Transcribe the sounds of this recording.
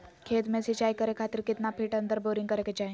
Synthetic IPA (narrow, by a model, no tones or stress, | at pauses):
kʰeːt̪mẽsit͡ʃaːjkəɾekʰat̪iɾkɪt̪napʰiːʈə̃nd̪əɾboɾiŋɡkəɾeket͡ʃaĩ